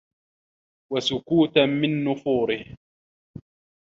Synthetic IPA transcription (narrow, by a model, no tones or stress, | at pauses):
wasʊkuːt̪amɪnːʊfuːɾɪh